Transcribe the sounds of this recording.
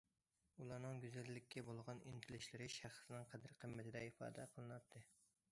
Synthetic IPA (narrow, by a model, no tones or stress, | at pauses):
ulˠɑɾnɨŋɡʲyzælːɪkʲʰːɛbolˠʁɑnint̪ʰɪlɪʃlɪɾɪʃæχsɨnɨŋqʰæd̪ɪɾqʰəmːɛt̪ʰɪd̪ɛifɑ̰ːd̪ɛqʰəlˠɨnɑt̪ʰːɨ